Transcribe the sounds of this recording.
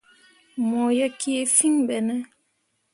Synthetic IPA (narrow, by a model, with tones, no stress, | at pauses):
mɔ˨ja˦kːi˦e˦fi˦ŋɓɛ˨nɛ˦